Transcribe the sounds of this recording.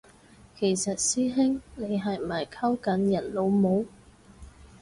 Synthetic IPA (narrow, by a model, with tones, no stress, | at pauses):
kʰe˨˩jsɐ˨t̚siː˥ɦɪ˥ŋne˨˧jɦɐ˨j̩˨ɐ˨˩jkʰɐ˥wkɐ˨˥njɐ˨˩nlo˨˧wmo˨˧w